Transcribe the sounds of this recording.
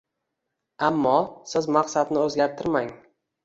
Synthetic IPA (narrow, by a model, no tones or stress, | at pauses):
amːɒsɪzmaqsad̪nɪɵzɡʲaɾt̪ʰɪɾmaŋ